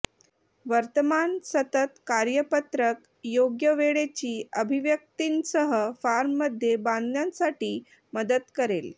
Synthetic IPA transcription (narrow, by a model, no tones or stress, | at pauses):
ʋəɾt̪əmansət̪ət̪kaɾjəpət̪ɾək | joɡjəʋeɭet͡ɕiːəbʱiʋjək̚t̪iːnsəɦəfaɾmːəd̪ʱjebãnd̪jansaʈiː | məd̪ət̪kəɾel